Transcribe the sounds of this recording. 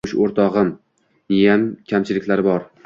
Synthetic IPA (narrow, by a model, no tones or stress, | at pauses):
ʊʃoɾt̪ʰɒʁɨm | ijamkʲʰamt͡ʃʰɪlɪkʲlaɾɪbɒɾ